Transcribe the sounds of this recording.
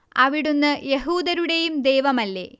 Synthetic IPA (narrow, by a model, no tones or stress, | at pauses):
ɐʋiɽunːɨjeɦuːd̪ɐɾuɽe̞jumd̪e̞ːʋɐmɐlːe̞̰ː